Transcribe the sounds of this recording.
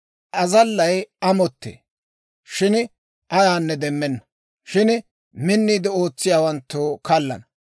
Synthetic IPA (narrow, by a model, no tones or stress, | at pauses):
ʔɐzɐlːɐjɐmɔt̪ːḛː | ʃɪn | ʔɐjaːnːɛd̪ɛmːɛnːɐ̥ | ʃɪn | mɪnːiːd̪ɪo̞ːt͡sːɪjaːwɐnt̪ːuːkɐlːɐ̰nɐ